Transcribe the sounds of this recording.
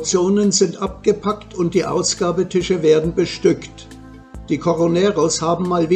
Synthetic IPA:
t͡sjoːnənzɪntʔap̚ɡ̥əpʰaktʰʊnt̚d̥iːʔa̰ʊsɡ̥aːbətʰɪʃəveːɐdn̩bəʃtʏkt | d̥iːkʰoʁonɛːʁoshaːbm̩maːlviː

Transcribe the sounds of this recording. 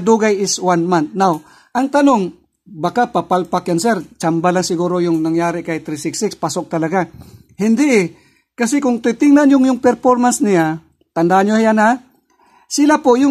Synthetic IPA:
d̪uɡajɪswanmant̪̚naw | ʔɐŋt̪ɐnoŋ | bɐkapapalpakjansɛɾt͡ʃambalaŋsɪɡuːɾojʊŋnɐŋjaːɾɪkajt̪ɾisɪksɪkspasok̚t̪ɐlɐɡa | hɪnd̪ɪʔ | kɐsɪkʊŋt̪it̪ɪŋnanjʊŋjʊŋpɛɾfoɾmansnɪja | t̪ɐnd̪aʔanjohajana | sɪlapojʊ

